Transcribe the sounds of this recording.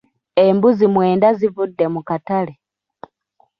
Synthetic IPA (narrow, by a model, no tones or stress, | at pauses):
embuzimwe̞ːndazivudːe̞mukatale